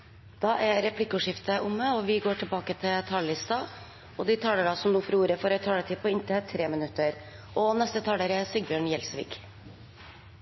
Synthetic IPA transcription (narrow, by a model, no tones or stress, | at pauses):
d̪̥ɑːʔæɾɾɛpʰlɪkːʊːʂɪft̪əʔʊmːəɔʋɪɡoːʈʰɪlbɑːkət̪ʰɪlt̪ʰɑllɪst̪ɑ | ɔd̪ɪt̪ʰɑːləɾɑsɔmnuːfɾuːɾəfɔɾɛt̪ʰɑːlət̪ʰɪːpʰɔɪnt̪ʰt̪ʰɾeːmənʉt̪ːəɾ | ɔnɛst̪ət̪ʰɑːləɾæsʏɡ̚bjøːɳjɛlsʋḭːk